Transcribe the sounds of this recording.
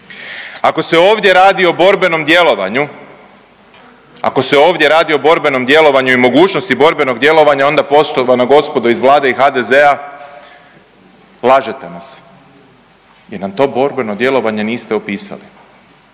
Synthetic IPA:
ako̞se̞o̞ːʋd̪je̞ɾaːd̪io̞bo̞ɾbe̞no̞md̪je̞lo̞ʋa̰ɲu | a̰ko̞seo̞ːʋd̪je̞ɾaːd̪io̞bo̞ɾbe̞no̞md̪je̞lo̞ʋaɲuimo̞ɡuːt͡ʃno̞st̪ibo̞ɾbe̞no̞ɡd̪je̞lo̞ʋaɲao̞nd̪apo̞soʋanaɡo̞spo̞d̪oizʋlˠaːd̪e̞ixad̪eze̞a | lˠaːʒe̞t̪e̞nas | jeɾnamt̪o̞ːbo̞ɾbe̞no̞d̪je̞lo̞ʋaɲe̞niːst̪eopiːsa̰li

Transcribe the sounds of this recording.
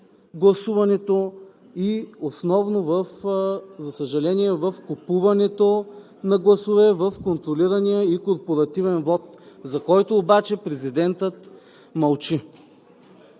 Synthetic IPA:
ɡlˠɐsuvɐnɛt̪o | iosnɔvnovəfzɐsəʒɐlɛniɛvɐfkopuvɐnɛt̪o | nɐɡlˠɐsovɛvɐfkont̪ɾoliɾɐnijəikoɾpoɾɐt̪ivɛnvɔt̪̚zɐkɔjt̪oːbat͡ʃɛpɾɛzid̪ɛnt̪ət̪ | mɐlˠt͡ʃi

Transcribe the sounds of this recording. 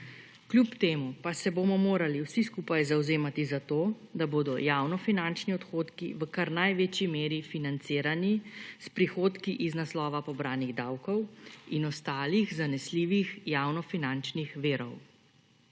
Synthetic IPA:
klʲupt̪eːmupasɛbomɔmoːɾaliwsiskuːpajzawzeːmat̪izat̪oːd̪aboːd̪ɔjaːwnɔfinant͡ʃniɔt̪xoːt̪kiʋəkaɾnajʋeːt͡ʃimeːɾifinant̪seːɾanispɾixoːt̪kiʔiznaslɔːʋapɔbɾaːniɣd̪awkɔwinɔst̪aːliɣzanɛsliːʋixjawnɔfinant͡ʃnixʋeːɾɔ̰w

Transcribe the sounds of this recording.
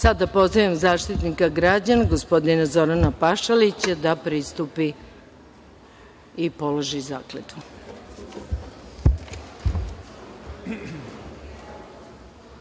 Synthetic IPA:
sad̪apo̞zaʋemzaːʃt̪it̪nikaɡɾad͡ʑanaɡospo̞d̪inazo̞ɾanapaʃalit͡ɕad̪apɾist̪upi | ipo̞loʒizaːklet̪u

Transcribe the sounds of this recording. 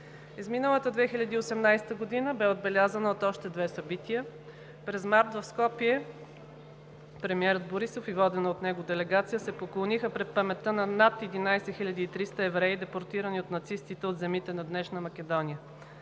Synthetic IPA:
izminəlˠət̪əd̪vɛxilʎʲɐd̪iːosɛmnajst̪əɡod̪inəbɛod̪̚bɛlʲazənəot̪ɔʃt̪ɛd̪vɛsɐbit̪iə | pɾɛzmaɾt̪vɐfskɔpiɛ | pɾɛmiɛɾəd̪boɾisofivɔd̪ɛnot̪nɛɡod̪ɛlɛɡat̪sijəsɛpoklˠonixəpɾɛt̪̚pɐmɛt̪ːənɐnat̪ɛd̪inajsɛxiʎʲɐd̪iːt̪ɾist̪əɛvɾɛid̪ɛpoɾt̪iɾəniot̪nɐt̪sist̪it̪ɛot̪zɛmit̪ɛnɐd̪nɛʃnəmɐkʲɛd̪ɔnijə

